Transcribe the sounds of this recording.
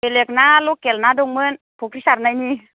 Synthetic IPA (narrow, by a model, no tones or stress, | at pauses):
eleək̚naːlokːelnaːdoŋmɯn | pʰok̚ʰisat̪̚naɲiː